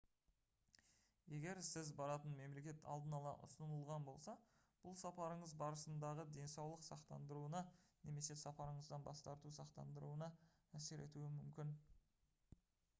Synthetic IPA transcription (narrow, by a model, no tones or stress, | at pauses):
je̞ɡʲe̞ɾsɪzbɑɾɑt̪ənme̞mle̞kʲe̞t̪ʰɑ̰lˠd̪ənɑlˠɑ̰ʔʊ̰sənəlˠʁɑnbo̞lˠsɑ | b̥ʊlˠsɑpɑɾəɴəzbɑɾəsənd̪ɑʁəd̪e̞nsɑwlˠəqsɑqt̪ɑnd̪əɾuənɑne̞me̞se̞sɑpɑɾəɴəzd̪ɑnbɑ̰st̪ɑɾt̪usɑqt̪ɑ̰nd̪əɾuənɑ | æse̞ɾe̞̰t̪uɪmʏmkʲɪn